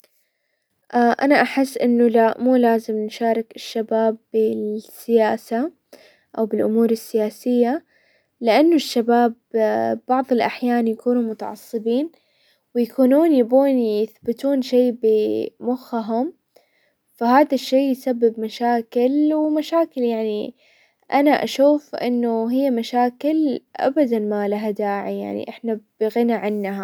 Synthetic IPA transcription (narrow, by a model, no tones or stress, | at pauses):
ʔaʔanaʔaħɪsːʔɪnːʊlaʔmuːlaːzɪmnʃaːɾˤɪkɪʃːabaːbːɪsɪjaːsa | ʔawbɪlʔʊmuːɾɪsːɪjaːsɪjːa | lɪʔanːʊʃːabaːbbɑʕðˤɪlʔaħjaːnjakuːnumʊt̪ɑ̰ʕɑ̰sˤːɨbiːn | wɪjakuːnuːnjabuːnjɪθbɪt̪uːnʃeːbɪmʊxːaɦʊm | faɦaːðaʃːeːjsabːɪbmaʃaːkɪlwɪmaʃaːkɪljaʕni | ʔanaʔa̰ʃuːfʔɪ̰nːʊɦɪjːamaʃaːkɪlʔa̰bad̪anmalaɦad̪aːʕija̰ʕnḭʔɪħnab̥ɪɣɪnaʕɪnːɦa